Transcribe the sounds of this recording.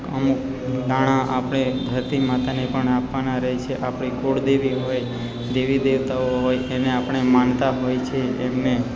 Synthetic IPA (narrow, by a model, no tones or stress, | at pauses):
əmuk̚ | d̪aɽ̃ãʔapəɽ̃ed̪ʱəɾt̪imat̪anepəɳapʋanaɾəɦet͡ʃʰeʔapɳ̃ikoɽd̪eʋiɦoj | d̪eʋid̪eʋt̪aoɦojeneapəɳ̃emant̪aɦojt͡ʃʰeemne